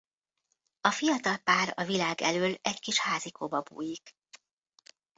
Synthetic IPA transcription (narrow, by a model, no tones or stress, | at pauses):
ɒfijɒt̪ɒlpaːɾɒ̰vilaːɡɛ̰løːlɛɟkiʃhaːzikʰoːbɒbṵːjik